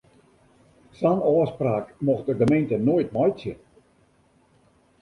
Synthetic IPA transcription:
sanɔːspraːkmɔxdədəmentənoːjt̚mɔjtsɪ̰t

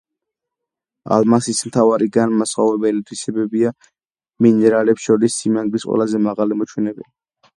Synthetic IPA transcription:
a̰lˠmansismt̪ʰavaɾiɡanmasχavɾɛbɛlid̪ɾisɛbɛbia | minɛɾalɛpsʃɔɾisːimaŋɡlisqʼwɛ̰lazɛmaʁalimɔt͡ʃʰwɛnɛbɛli

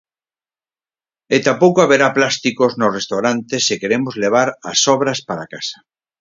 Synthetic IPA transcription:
et̪apowkoaβeɾaplast̪ikoznosrest̪awɾant̪esːekeɾemozleβ̞aɾasɔβɾaspaɾakasḁ

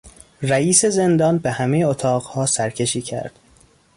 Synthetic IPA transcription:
ræiːse̞ze̞nd̪ɒːnbehæmejeot̪ʰɒːɢhɒːsæɾcʰe̞ʃiːcʰæ̰ɾd̪̥

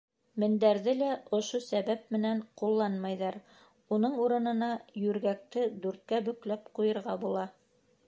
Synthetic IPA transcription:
mɘ̆nd̪æɾðɘlæʔŏʃosæβæp̚mɘ̆næɴqulˠːɑnmɑjðɑɾ | unɤɴuɾɤ̆nɤ̆nɑjʉɾɡæk̚t̪ɘd̪ʉɾt̪̚kæbɵ̆klæp̚qujɤ̆ɾʁɑbulˠɑ

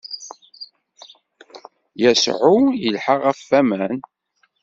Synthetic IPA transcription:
jæsʕujəlħaʁæfːæmæn

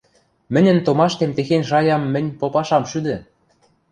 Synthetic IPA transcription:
mɘ̆nʲə̆nt̪omɑʃt̪emt̪exenʲʃɑjɑmːɘ̆nʲpopɑʃɑmʃyd̪ɘ̆

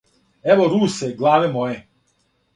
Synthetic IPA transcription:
ɛʋoɾuːseɡlˠaːʋemoje

